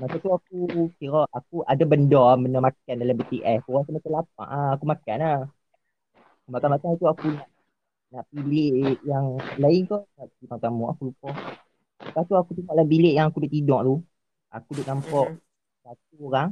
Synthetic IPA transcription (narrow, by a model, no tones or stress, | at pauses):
masat̪uak̚ukiɾɔʔak̚uʔadabəndɔbəndɔmakandalabət̪iʔɛskoɣaŋsəmat̪alap̚a̰ʔaakumakana | kumakanmakaŋit̪uakunaʔ | naʔpillɪʔjaŋlaɪnk̪ɔnaʔipaŋt̪amɔʔa̰kulupɔh | akaht̪uakut̪uŋaʔlabilɪʔjaŋakudʊʔt̪idɔʔt̪u | a̰kudʊʔnampɔʔ | sat̪̚uoɾaŋ